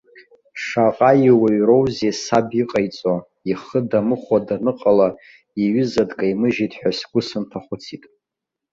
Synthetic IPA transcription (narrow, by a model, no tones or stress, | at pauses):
ʂaqʼaiwaɥrowzesabiqʼajt͡sʼa | iχədamɨχʷadanɨqʼala | iɥʏzadkʼajmɨʒitʼħʷᶣasɡʷʊsɨntʰaχʷʊt͡sʰitʼ